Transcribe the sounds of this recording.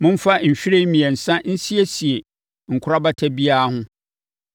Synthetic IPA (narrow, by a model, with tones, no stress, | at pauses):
mʊ̃˦m˦fa˦m̩˨ɕᶣɪ˦ɾe˦mĩ˨ɛ˨n̩˨sã˦n̩˦si˦e˦si˨e˨ | ŋ̩˨kʰʷʊ˦ɾa˦ba˦tʰɛ˦bi˦aː˦hʊ̃˦